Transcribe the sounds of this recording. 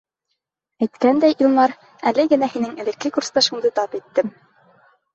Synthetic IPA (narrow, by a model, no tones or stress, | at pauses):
æjt̪kænd̪æjʔĭlˠmɑɾ | ælɘɡɘ̆næhinɘŋɘ̆lɘ̆kːɘkuɾst̪ɑʃund̪ɤt̪ɑpit̪ːɘm